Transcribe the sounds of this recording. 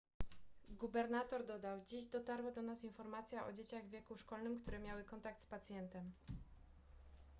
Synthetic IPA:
ɡubɛɾnat̪ɔɾd̪ɔd̪awd͡ʑiʑd̪ɔt̪aɾwad̪ɔnasinfɔɾmat̪sʲjaʔɔ̰d͡ʑet͡ɕaɣvʲjɛkuʂkɔlnɘmkt̪uɾɛmʲjawɘkɔnt̪ak̚t̪spat̪sʲjɛnt̪ɛm

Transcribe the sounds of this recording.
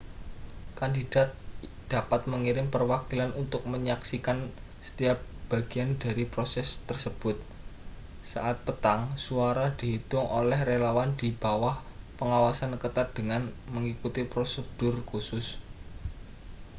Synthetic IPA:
kandid̥a̤t̪̚d̪̥a̤pat̪̚məŋiɾɪmpərwakilanʔunt̪ʊk̚məɲaksikan | sə̥t̪iap̚b̥a̤ɡ̥i̤anda̤ɾipɾosɛst̪ərsəb̥ʊt̪̚ | sa̰ʔat̪̚pət̪aŋsuaɾad̪̥i̤ɦit̪ʊŋʔo̰lɛhrelawand̪̥i̤b̥awah | pəŋawasankət̪ad̪̥əŋanməŋikut̪ipɾosəd̥ʊrkusʊs

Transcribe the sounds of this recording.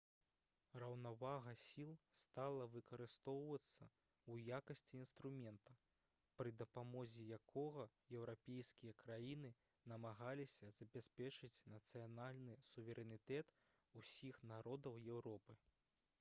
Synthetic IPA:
rɐwnavaɣɐsʲilˠst̪alˠɐvɨkɐɾɨst̪ɔwvɐt̪sːɐ | ujakɐsʲt͡sʲiːnst̪ɾumʲɛnt̪ɐ | pɾɨd̪ɐpamɔzʲijakʰɔɣɐjɛwɾapʲɛjskʲijɐkɾajinɨ | nɐmaɣalʲisʲɐz̥ɐbʲɛsʲpʲɛt͡ʂɨt͡sʲnɐt̪sɨjanalʲnɨsuvʲɛɾʲɛnʲit̪ɛt̪ | usʲixnaɾɔd̪ɐwjɛwɾɔpɨ

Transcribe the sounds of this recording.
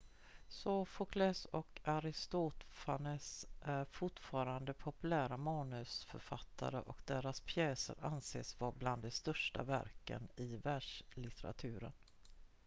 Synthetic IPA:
sɔfɔkʰlɛsɔkaɾɪst̪ut̪fanəsʔæɾfʊʈfɑːɾand̪əpʰɔpɵlæːɾamɑːnɵsfœ̰ɾfat̪ʰːa̰ɾə̰ʔɔkd̪eːɾaspʰjɛːsə̰ɾʔansḛːsvabland̪ɛst̪œʂʈa̰væ̰ɾkə̰nɪvæɖʂlɪt̪ʰɛɾa̰t̪ʰʉ̟ːɾə̰n

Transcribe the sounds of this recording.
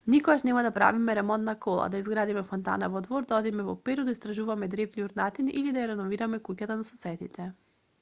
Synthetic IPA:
nikoɡaʃnɛmad̪apɾa̰vimɛɾɛmɔnt̪nakɔlˠa̰d̪aizɡɾad̪imɛfɔnt̪a̰navɔd̪vɔɾd̪aɔd̪imɛvɔpɛɾɔd̪aist̪ɾaʒuvamɛd̪ɾɛvniuɾnat̪iniʔilid̪ajaɾɛnɔviɾamɛkucat̪anasɔsɛd̪it̪ɛ

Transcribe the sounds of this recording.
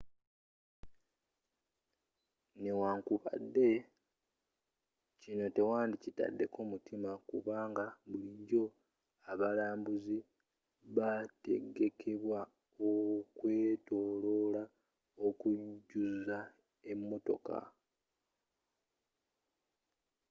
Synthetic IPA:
newaːŋkuβa̰dːe̞ | cino̞te̞waːndicita̰dːe̞ko̞mutʰimakuβaːŋɡaβuliɲɟo̞ | aβalaːmbuzi | βate̞̰ɡe̞kʰe̞βwa | okwe̞ːto̞ːlo̞la | okuɟuza | e̞mːo̞to̞̰ka̰

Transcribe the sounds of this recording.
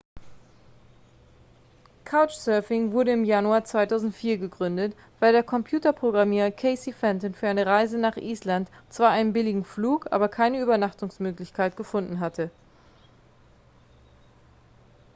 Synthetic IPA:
kʰaʊt͡ʃsœɐfɪŋvʊɐɾəɪmjanuaːɐt͡sv̥aɪtʰaʊzn̩tfiːɐɡəɡʁʏndət | v̥aɪldeːɐkʰɔmpʰj̥uːtɐpʁ̥oɡʁamiːʁɐkʰɛɪsifɛntənfyːɐaɪnəʁaɪzənaːχʔiːslantt͡sv̥aːɐʔaɪnənbɪlɪɡŋ̩fluːkʔa̰ːbɐkʰaɪnəyːbɐnaχtʊŋsmøːklɪçkʰaɪtɡ̥əfʊndn̩ɦatʰə

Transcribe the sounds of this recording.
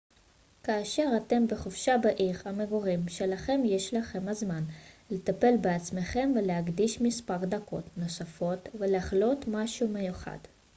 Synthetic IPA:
kaːʃe̞ʁat̪e̞mbeχofʃabaʔiʁhameɡoʁimʃe̞laχe̞mje̞ʃlaχe̞mhazmanlet̪ape̞lbeat͡sme̞χe̞mve̞leɦaɡd̪iʃmispaʁd̪ako̞̰t̪no̞safo̞t̪ve̞leaχlo̞t̪maʃumejuχa̰d̪̥

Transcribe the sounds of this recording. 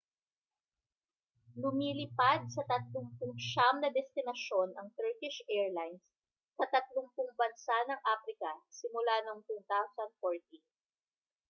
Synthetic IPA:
lʊmiːlɪpad̪̚sɐt̪ɐt̪̚lʊŋpʊŋʃamnɐd̪ɛst̪ɪnɐʃo̞nʔɐŋt̪ɛɹkɪʃʔɛɹlajnsː | ɐt̪ɐt̪̚lʊŋpʊŋbɐnsanɐŋʔaːpɾɪkɐsɪmʊlano̞ŋt̪uːt̪awsɐnd̪̚foɹt̪in

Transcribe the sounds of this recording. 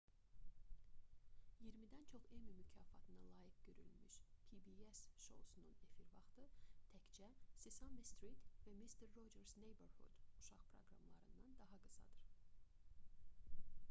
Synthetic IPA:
jiɾmid̪ænt͡ʃʰo̞χemimycʰɑːfɑt̪ʰɯnɑlˠɑːjikɟø̞ɾy̰lmyʃpʰibiesʃo̞̰sunune̞fiɾvɑχt̪ɯt̪ʰæct͡ʃʰæsisɑmdist̪ɾit̪væmist̪ʰeɾːo̞d͡ʒeɾznejbeɾhṵd̪̥uʃɑʁpʰɾo̞̰ɡɾɑ̰mlˠɑ̰ɾɯnd̪ɑnd̪ɑɦɑɡɯsɑ̰d̪ɯɾ̥

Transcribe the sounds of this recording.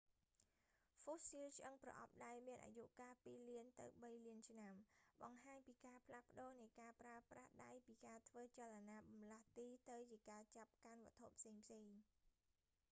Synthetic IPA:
fosilt͡ɕʔəŋprɑ̰ʔɑ̰p̚ɗaɛlmiənʔa̰juʔkaːpiːliənt̪ɨ̰wɓəjliənt͡ɕʰnamɓɑŋɦaːɲpiːkaːpʰlahpə̆ɗoːnɨjkaːpraəprahɗajpiːkaːt̪ʰʋəːt͡ɕalanaːɓɑmlaht̪iːt̪ɨwt͡ɕiəkaːt͡ɕap̚kanʋɔ̆ət̪ʰːoʔpʰseːŋpʰseːŋ

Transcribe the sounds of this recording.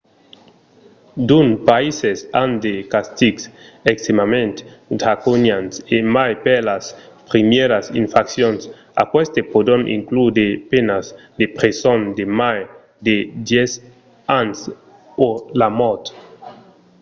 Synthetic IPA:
d̪unpaisesand̪ekast̪iɡsekst̪emamẽnt̪dakunjansemajpelaspɾimjeɾasinfaksjons | a̰kwest̪epod̪onʔḭŋklud̪epenas | d̪epɾesond̪emaj | d̪ed̪jes | ans | polamɔt̪

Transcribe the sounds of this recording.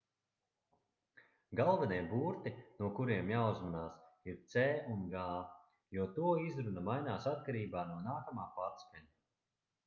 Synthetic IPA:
ɡalˠvɛnijbuːɾt̪inuɔkuɾiɛmjawzanaːsiɾt̪sɛːunɡaː | juɔt̪uɔizɾunɐmajnaːsat̪̚kaɾiːbaːnuɔnaːkamaːpaːɾskʲaɲi

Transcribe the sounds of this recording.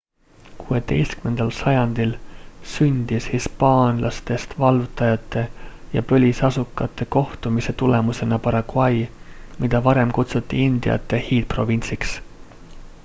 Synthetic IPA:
kuːe̞t̪e̞̰jst̪kyme̞nd̪̥ɑlsɑjɑnd̪̥ilsynʲd̪̥ishispɑːnlʔɑst̪e̞st̪vɑlvut̪ˑːɑjɑt̪ˑːe̞jɑ̰pølʲisɑsukːˑɑt̪ˑːe̞ko̞ht̪umise̞t̪ule̞muse̞nɑpɑɾɑkuɑjmid̪̥ɑvɑɾe̞mkut̪sut̪ˑːiind̪̥ḭɑ̰t̪ˑːe̞hiːd̪̥̚pro̞vinʲt̪siks

